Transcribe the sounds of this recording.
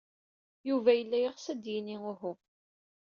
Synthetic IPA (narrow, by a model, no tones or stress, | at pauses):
juvæjəlːæjəʁsæd̪jiniʊɦʊ